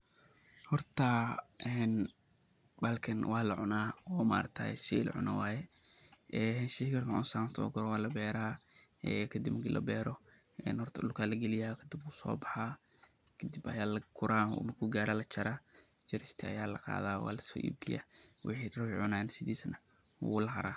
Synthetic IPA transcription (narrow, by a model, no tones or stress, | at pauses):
hɔrt̪ʰɐʔɛːn | bɐlkʰɐnwʔɑːlɐʕʊnaːɔːma̰ːɾɐk̚t̪ʰa̰ːɛ̰ʃḭlɐ̰ʕʊ̰nawaːjɛʔɛːʃihkɐɾmʕʊnsaːmt̪ʰɔ̰ːɡɔɾɔwaːlɐbɛːɾaː | ɛːkʰɐd̪ibmɐkilʔɐ̰bɛːɾɔ | ɛ̰ːnhɔrt̪ʰɐɗʊlkʰaːlɐɡɛlɪjaːkʰɐd̪ɪb̚uːsɔ̰ːbɑħa | kʰɐd̪ibɐjaːlɐkʰʊɾaːnṵmɐkʰuɡaːɾaːlɐt͡ʃɐɾaː | t͡ʃɐɾɪst̪ʰɪɐ̰jaːlɐ̰qɑ̰ːðaːwa̰ːlɐsɔ̰ːʔḭb̚ɡɪja̰ːwʔɪ̰ħiːrʊwʕʊnaːnsɪðiːsɐnɐ | hṵlɐɦɐɾaː